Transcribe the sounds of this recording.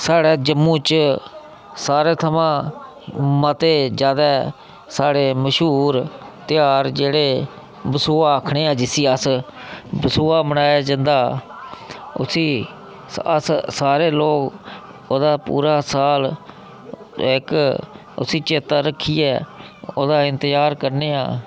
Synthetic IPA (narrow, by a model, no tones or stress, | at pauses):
saːɽeːd͡ʒəmːũːt͡ʃ | saːɾeːt̪ʰəmãː | mət̪eːd͡ʒjaːd̪ɛː | saːɽeːməʃɦuːɾt̪ɪjaːɾd͡ʒeːɽeː | bəsuːaːkʰɳeːãːd͡ʒɪsiːəs | bəsuːaːbəɽaːjaːd͡ʒənd̪aː | ʊ̰siː | ə̰ssaːɾeːloːk | oːd̪aːpṵːɾaːsaːl | ɪk | ʊ̰siːt͡ʃeːt̪aːɾəkʰːiːɛː | o̰ːd̪aːɪnt̪əzaːɾkəɾneːa̰ː